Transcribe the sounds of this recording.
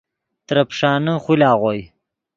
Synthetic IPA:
t̪ɾɐpʂɑːnəχʷilɑːʁoj

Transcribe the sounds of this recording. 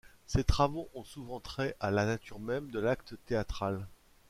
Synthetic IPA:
set̪χavoʔɔ̃suvɑ̃t̪χɛʔalanat̪yʁmɛmd̪əlak̚t̪ət̪eat̪χal

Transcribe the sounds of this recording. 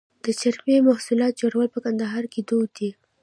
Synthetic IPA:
d̪̥ət͡ʃaɾmemahsulɑt̪̚d͡ʒoɽawəlpəkand̪aɦɑɾked̪od̪i

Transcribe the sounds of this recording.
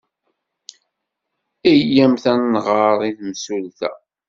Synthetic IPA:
ijjæmθænːʁɑɾˤiθmsulθæ̰

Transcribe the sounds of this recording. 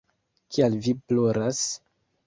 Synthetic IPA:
kʰialviploɾas

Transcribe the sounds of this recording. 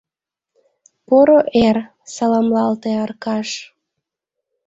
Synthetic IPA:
poɾoʔer | sɑlɑmlɑlt̪eɑrkɑʃ

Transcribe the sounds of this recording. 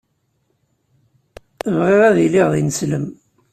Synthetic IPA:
əvʁiʁæðiliʁðinəsləm

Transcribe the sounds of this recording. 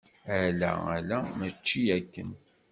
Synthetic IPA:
ælæ̰ælæmæt͡ʃːiækːə̰n

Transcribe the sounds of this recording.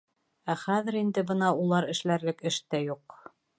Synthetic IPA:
æχæðɘ̆ɾind̪ɘbɤnɑulˠɑɾɘ̆ʃlæɾlɘkɘ̆ʃt̪æjuq

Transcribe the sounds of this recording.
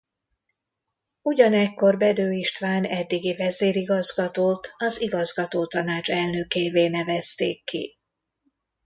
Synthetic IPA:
uɟɒnɛkːo̞rbɛd̪øːiʃt̪ʋaːnɛd̪ːiɡivɛzeːɾiɡɒzɡɒt̪oːt̪ɒziɡɒzɡɒt̪oːt̪ɒnaːt͡ʃɛlnøkeːveːnɛvɛst̪eːkːḭ

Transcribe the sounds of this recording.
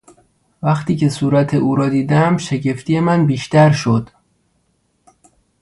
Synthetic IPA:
væxt̪iːcʰe̞suːɾæt̪ʰeʔuːɾɒːd̪iːd̪æmʃe̞ɟe̞ft̪ije̞mænbiːʃt̪æɾʃod̪̥

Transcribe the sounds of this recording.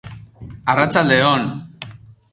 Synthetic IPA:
arat͡sald̪eon

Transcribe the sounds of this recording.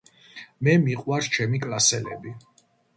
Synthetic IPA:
mɛmiqʼwaɾt͡ʃʰɛmikʼlasɛlɛ̰bi

